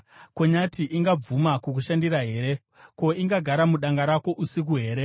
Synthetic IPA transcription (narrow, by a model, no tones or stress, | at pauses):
koɲatiʔiŋɡab͡vumakukuʃandiraɦe̞ːɾe̞ | ko̞iŋɡaɡʱaɾamuɗaŋɡaɾako̞ʔusik̬uɦe̞ːɾe̞